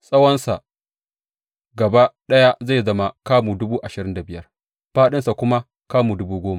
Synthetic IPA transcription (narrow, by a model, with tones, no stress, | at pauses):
sʼɐ˦wɐ˦nsa˨ | ɡɐ˨ba˦ɗɐ˦ja˦za˦˨zɐ˦ma˨kaː˦muː˨dʊ˦buː˦ʔa˨ʃɪ˨ɾɪ˦nda˨bɪ˦jɐ˦r | ɸaː˦ɗɪ˦nsa˨kʷʊ˦ma˦ | kaː˦mu˨dʊ˦buː˦ɡʷoː˦ma˨